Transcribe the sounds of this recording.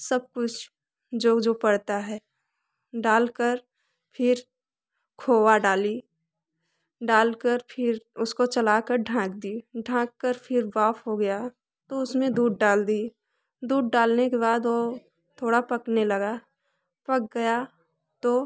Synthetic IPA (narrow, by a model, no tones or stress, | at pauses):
səb̚kʊt͡ʃʰ | d͡ʒoːd͡ʒoːpɐɽt̪aɦɛː | ɖaːlkəɾ | pʰɪɾ | kʰoːwaɖaːli | ɖaːlkəɾpʰɪɾʊskot͡ʃɐlaːkəɾɖʱãːk̚d̪iːɖʱãːkːəɾpʰɪɾʋaːfʰɦoɡɐja | t̪oʊsmẽd̪uːɖ̚ɖaːld̪iː | d̪uːɖːaːlnekeβaːd̪ʋoː | t̪ʰoːɽapɐknelɐɡa | pɐk̚ɡɐja | t̪oː